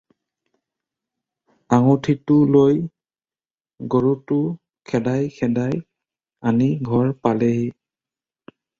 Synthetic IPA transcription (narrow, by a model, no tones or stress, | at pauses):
aŋutʰitʊloj | ɡoɹutʊ | kʰɛdajkʰɛdaj | aniɡʱɔɹpaleɦi